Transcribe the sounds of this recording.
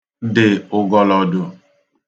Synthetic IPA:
dɪ˨ʊ˨ɡɔ˦lɔ˨dʊ˨

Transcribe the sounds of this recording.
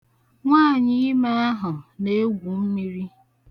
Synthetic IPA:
ŋʷaː˦˨ɲɪ˦ma˦a˦ɦʊ˨ne˦ɡʷu˨m̩˦mi˦ɾi˦

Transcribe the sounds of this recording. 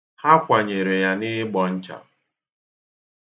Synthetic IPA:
ha˦kʷa˨ɲe˨ɾe˨ja˦nɪ˦ɡ͡bɔ˨n̩˦t͡ʃa̰˨

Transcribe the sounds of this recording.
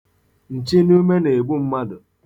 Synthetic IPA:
n̩˨t͡ʃi˦nu˦me˦ne˨bu˦m̩˦ma˦dʊ˨

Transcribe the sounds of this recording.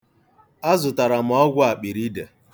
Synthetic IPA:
a˦zʊ˨ta˨ɾa˨m̩˨ɔ˦ɡʷʊ˦a˨k͡pi˨ɾi˦de˨

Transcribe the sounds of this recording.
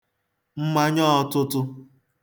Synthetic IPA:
m̩˦ma˦ɲɔ˦ɔ˦tʊ˦tʊ˦

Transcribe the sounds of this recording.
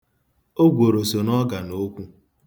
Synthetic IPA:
o˦ɡʷo˨ɾo˨so˨nɔ˦ɡa˨no˦kʷu˦

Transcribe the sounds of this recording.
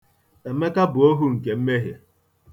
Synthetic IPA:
e˨me˦ka˦bʊ˨o˦ɦu˦ŋ̩˨ke˨m̩˦me˦ɦje˨

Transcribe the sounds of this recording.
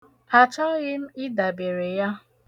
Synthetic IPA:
a˨t͡ʃa˦ɣɪ˦m̩˦ɪ˦da˨be˨ɾe˨ja˦

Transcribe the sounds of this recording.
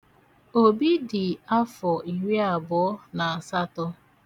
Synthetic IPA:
o˦bi˦dɪ˨a˦fɔ˨ʔi˨ɾi˦a˨bɔ˨ɔ˦na˨a˨sa˦tɔ˦

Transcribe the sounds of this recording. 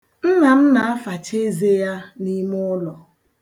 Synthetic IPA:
n̩˦na˨m̩˦na˨a˦fa˨t͡ʃe˦ze˦ja˦ni˦mʊ˦lɔ˨

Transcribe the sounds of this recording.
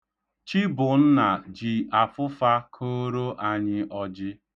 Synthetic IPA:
t͡ʃi˦bʊ˨n̩˦na˨d͡ʒi˨a˨fʊ˦fa˦kʰo˦ɾo˦ʔa˨ɲɪ˦ʔɔ˦d͡ʒɪ˦

